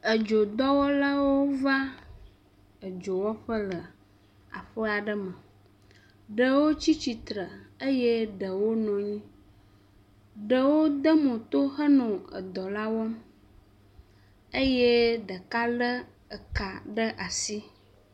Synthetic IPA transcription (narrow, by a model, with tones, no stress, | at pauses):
ə˨d͡ʒo˨d̪ɔ˦wɔ˦la˦wo˦va˦ | ə˨d͡ʒo˨wɔ˦ɸə˦lə˨ | a̰˨ɸə˦a˨ɖə˦mə̃˨ | ɖə˨wo˦t͡ɕi˦t͡ɕi˨t̪ɾə˨ə˦jɛ˦ɖə˨wo˦nɔ̃˨ɲĩ˦ | ɖə˨wo˦d̪ə˦mɔ̃˨t̪o˦xə˦nɔ̃˨ə̰˨d̪ɔ˨la˦wɔ˦m | ə˦jɛ˦ɖə˨ka˦lə˦ | ə˨ka˨ɖə˦ʔa˨si˦